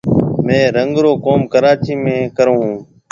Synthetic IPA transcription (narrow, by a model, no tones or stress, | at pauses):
mẽːɾəŋɡɾoːkoːmkəɾaːt͡ʃiːmẽːkəɾõːɦũː